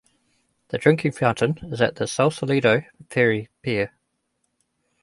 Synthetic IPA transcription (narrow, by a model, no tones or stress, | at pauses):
ðədɹɪ̃ŋkʰɪ̃ŋfãʊ̃ntə̃nɪzəʔðəsalˠsəliːɾəʊpʰɪːɹipʰiə